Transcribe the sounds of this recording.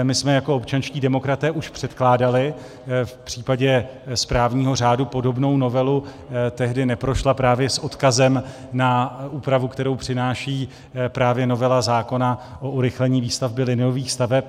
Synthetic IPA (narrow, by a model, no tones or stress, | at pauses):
mɪsmɛjako̞opt͡ʃanʃciːdɛmo̞kɾat̪ɛːʔuʃpr̝̥ɛt̪klaːdalɪ | fpr̝̥iːpaɟɛspɾaːvɲiːɦo̞r̝aːdupo̞do̞bno̞wno̞vɛlu | t̪ɛɦdɪnɛpɾo̞ʃlapɾaːvjɛsʔo̞t̪kazɛm | naʔuːpɾavukt̪ɛɾo̞wpr̝̥ɪnaːʃiː | pɾaːvjɛno̞vɛlazaːko̞na | ʔoʔuɾɪxlɛɲiːviːst̪avbɪlɪnɪjo̞viːxst̪avɛp̚